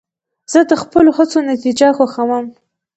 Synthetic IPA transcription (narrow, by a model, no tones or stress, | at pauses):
z̥əd̪əxpəloxət͡sonat̪id͡ʒaxaxawəm